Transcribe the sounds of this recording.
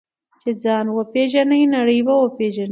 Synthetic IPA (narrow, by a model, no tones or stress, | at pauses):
t͡ʃed͡zɑːnwəpeʒanəjnaɽəjbawəpeʒan